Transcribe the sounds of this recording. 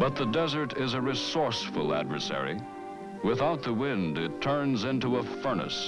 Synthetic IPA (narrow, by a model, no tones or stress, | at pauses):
b̥ʌt̪̚ðədɛzə˞ɾɪzɨɹɪsɔɹsfəlˠæ̰dvə̰˞sɛ̰ɹḭ | wɪθaʊt̪̚ðəwɪ̃ndɪtʰɜ̃˞nzɪ̃ntuəfɜ˞nə̰s